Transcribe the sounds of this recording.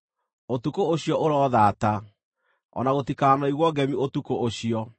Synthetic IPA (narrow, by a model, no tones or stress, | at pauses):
otukooɕiɔʔoɾɔðaːta | ɔ̰naɣotikaːnɔiɣwɔɡɛmiotukoʔoɕiɔ